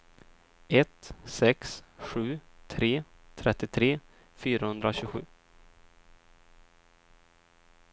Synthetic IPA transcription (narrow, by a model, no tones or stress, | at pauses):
ɛt̪sɛksɧʉ̟ːt̪ʰɾeː | t̪ʰɾɛt̪ːɪt̪ʰɾeː | fyːɾahɵnd̪ɾaɕʉɡɧʉ̟ː